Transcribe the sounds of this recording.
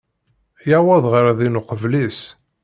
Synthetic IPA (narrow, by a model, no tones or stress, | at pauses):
jawæðˤʁəɾðinʊqəvlis